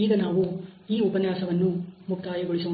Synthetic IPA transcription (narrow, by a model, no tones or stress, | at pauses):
iːɡɐnaːʋuiːupɐnjaːsɐʋɐnːumuk̚t̪aːjɐɡoɭisɐʋɐ